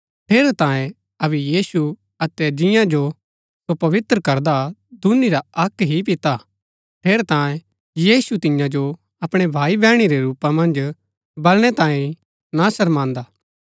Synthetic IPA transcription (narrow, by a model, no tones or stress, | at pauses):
pʰeːɾt̪ãːjẽ | ɐβɛjiːsu | ɐt̪ɛd͡ʒɪ̃jãd͡ʒo | sopɐʋɪt̪ɾəkɐɾd̪ad̪uniɾaɐkɦip̬ɪt̪a | pʰeːɾt̪ãːẽ | jiːsut̪ɪjãd͡ʒo | ɐpɽ̃ebʱaːibɛːɽ̃iɾeɾuːpamɐ̃nd͡ʒ | bɐlɽ̃ɛt̪ãːĩ | nasɐɾmãːnd̪aː